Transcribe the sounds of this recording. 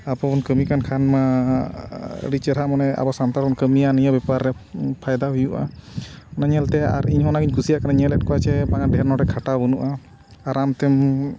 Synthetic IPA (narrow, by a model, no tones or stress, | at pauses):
apɔbɔnkəmikankʰanma | ə̰ɽit͡ʃɛɾamɔnɛa̰bɔsant̪aɾɔnkəmijanijəbɛpaɾːɛ | pʰajd̪abijuʔa̰ɔnaɲɛlt̪ɛa̰ɾiɲɦɔnaɡiɲkusijaʔkanaɲɛlɛt̚kɔwat͡ʃɛbaŋaɖʱɛɾnɔʈɛkʰaʈabunuʔaː | ɾamt̪ɛm